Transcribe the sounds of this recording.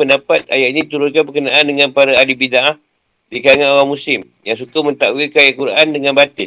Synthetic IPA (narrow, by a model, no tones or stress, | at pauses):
pəndapat̪̚a̰jaʔɲait̪uɾʊnkanbəkənaʔandəŋãnpaɾaalibidaʔah | dikaŋãnoɾamũsɪm | jaŋsukamə̃nt̪awikajakuɾaʔandəŋanbat̪ɪ